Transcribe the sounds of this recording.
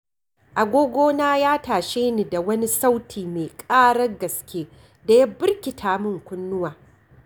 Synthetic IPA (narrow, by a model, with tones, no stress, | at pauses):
ʔa˨ɡʷoː˦ɡʷoː˦naː˦jaː˦taː˨ʃeː˦niː˨da˨wɐ˦ni˦sa˦wtʰiː˨meː˨kʼaː˦ɽɐ˦ɡɐ˨skʲeː˦ | da˨jɐ˦bɪ˦rkʲɪ˨tʰaː˨mʊ˦˨ŋkʷʊ˦nːʊ˦waː˨